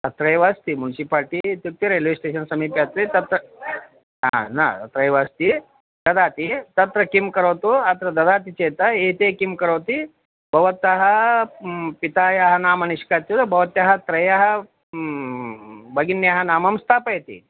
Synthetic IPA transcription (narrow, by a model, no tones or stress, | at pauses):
t̪ɐt̪ɾɐjʋaːst̪imunsipaːɾʈit̪uk̚t̪iɾelʋisʈeːʃɐnsɐmiːpjat̪ɾit̪ɐt̪ɾɐ | ɦanat̪ɐt̪ɾɐjʋast̪i | d̪̥ɐd̪aːt̪it̪ɐt̪ɾɐkimkɐɾɐwt̪uɐt̪ɾɐd̪ɐd̪aːt̪it͡ʃeːt̪ɐeːt̪ekimkɐɾɐwt̪i | bʱɐʋɐt̪ɐɦɐ | pit̪aːjaɦɐnaːmɐniʃkat̪jubʱɐʋɐt̪jɐɦɐt̪ɾɐjɐɦɐ | bɐɡinːjaɦɐnaːmɐmst̪ʰaːpɐjt̪ḭ